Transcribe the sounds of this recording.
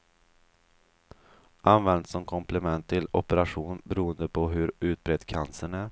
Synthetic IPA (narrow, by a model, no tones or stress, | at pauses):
ʔanvɛnd̪sɔmkʰɔmpʰlɛmɛnt̪ʰːɪlɔpəɾaɧuːnbɛɾuːənd̪əpʰɔɦɵɾʉ̟ːt̪̚bɾɛd̪kʰansəɳæɾ